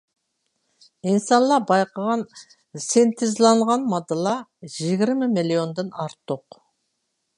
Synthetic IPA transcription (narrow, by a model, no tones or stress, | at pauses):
insɑnlˠɑɾbɑjqɑʁɑn | sent̪ɪzlˠɑɴʁɑnmɑd̪əlˠɑʒɪɡʲɪɾmɪmilʲio̞nd̪enɑɾt̪ːoq